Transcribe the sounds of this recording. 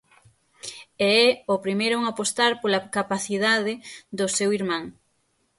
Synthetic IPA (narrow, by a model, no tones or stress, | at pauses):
eɛopɾimejɾʊuŋapost̪aɾpolakapaθiðaðɪd̪ʊsewiɾmãŋ